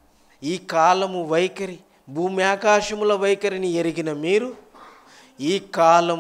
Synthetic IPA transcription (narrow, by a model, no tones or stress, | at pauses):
iːkaːlɐmuʋɐjkɐɾi | bʱuːmiaːkaːʃɐmulɐʋɐjkɐɾinieɾiɡinɐmiːɾu | iːkaːlɐ